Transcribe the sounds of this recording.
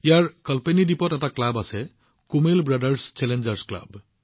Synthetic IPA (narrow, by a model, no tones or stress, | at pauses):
ijaɹkʌlpenidipɔtɛtaklabasɛ | kumelbɹadəɹst͡ʃɛlend͡ʒəɹskla̰b